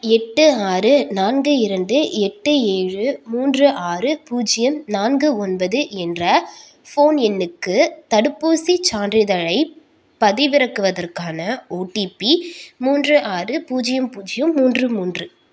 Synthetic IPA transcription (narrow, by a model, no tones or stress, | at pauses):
ɛʈːɯaːɾɯnaːnɡɯɪɾɐɳɖɯɛʈːɯeːɻɯmuːndrɯʔaːɾɯpuːd͡ʒɪjɐmnaːnɡɯɔnbɐðɯɛndrɐ | foːnɛnːɯkːɯt̪ɐɽɯpːuːsit͡ʃaːndrɪðɐɻɐɪ | pɐðɪʋɪɾɐkːɯʋɐðɐrkaːnɐoːʈipimuːndrɯʔaːrɯpuːd͡ʒɪjɐmpuːd͡ʒɪjɐmːuːndrɯmuːndrɯ